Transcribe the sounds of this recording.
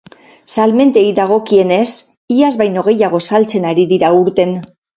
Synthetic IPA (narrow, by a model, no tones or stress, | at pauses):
salme̞nt̪eid̪aɣ̞o̞kie̞ne̞s | iazβajno̞ɣ̞e̞jaɣ̞o̞salt͡se̞naɾiðiɾauɾt̪e̞n